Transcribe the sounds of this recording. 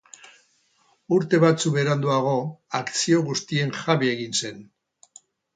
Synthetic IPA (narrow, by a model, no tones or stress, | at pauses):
uɾt̪e̞βat͡suβe̞ɾand̪uaɣ̞o̞akt͡sio̞ɣust̪ie̞ŋxaβie̞ɣinse̞n